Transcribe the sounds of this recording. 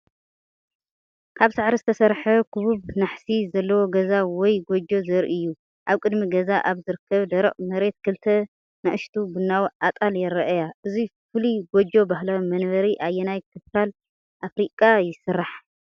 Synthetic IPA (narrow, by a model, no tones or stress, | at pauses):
kʰaβsaʕɾizɨt̪ʰɐsɐɾħɐkʰɨβuβnaħsizɐlːɐwo̞ɡɐzawɔjɡod͡ʒo̞zɐɾʔɨjːu | ʔaβkʼɨd̪miɡɐzaʔaβzɨɾɨkʰːɐβd̪ɐɾɐχʼmɐɾe̞t̪̚kʰɨlt̪ʰɐ | nɐʔɨʃt̪ʰubɨnːawʔat̪ʼaljɛɾɐʔjaʔɨzifɨliɡod͡ʒo̞bahlawmɐnβɐɾiʔajːɛnajkʰɨfkʰal | ʔafɾikʼajɪsɨrːaħ